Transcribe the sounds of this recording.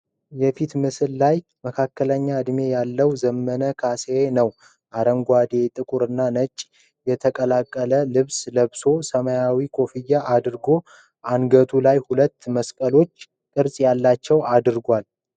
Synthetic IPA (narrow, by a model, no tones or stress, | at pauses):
jɛfit̪mɨsɨllaj | məkʰakːələɲːaɨd̪me̞jalːəwzəmːənəkʰasenəw | ʔaɾəŋɡʷad̪e̞t̪ʼɨkʼuɾɨnːanət͡ʃʼː | jɛt̪ʰəkʼəlakʼːələlɨβsləβso̞səmajawikʰo̞fijːaʔad̪ɾɡo̞ | ʔanɡət̪ʰulajhulət̪ːməskʼəlo̞t͡ʃː | kʼɨɾsʼjalːat͡ʃːɛwad̪ɾɡʷal